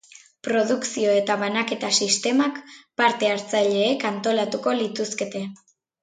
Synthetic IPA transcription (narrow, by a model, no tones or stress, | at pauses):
pɾo̞ðuksio̞e̞t̪aβanake̞t̪asist̪e̞makpaɾt̪e̞aɾt͡saʎe̞ːkant̪o̞lat̪uko̞lit̪uske̞t̪e̞